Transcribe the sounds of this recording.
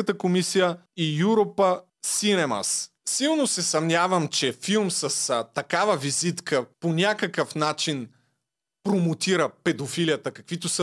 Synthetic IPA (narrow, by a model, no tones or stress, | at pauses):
ət̪əkomisijəijuɾopə | sinɛmɐ̰s | silˠnosɛsɐmnʲavɐmt͡ʃɛfilˠmsɐst̪ɐkavəvizit̪kʰəponʲakəkəfnat͡ʃin | pɾomot̪iɾəpɛd̪ofilijət̪əkɐkvit̪osə